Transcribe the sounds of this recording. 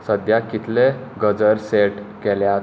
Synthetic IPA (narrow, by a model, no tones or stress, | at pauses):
səd̪jakit̪ʰleɡəd͡zəɾseʈkɛlja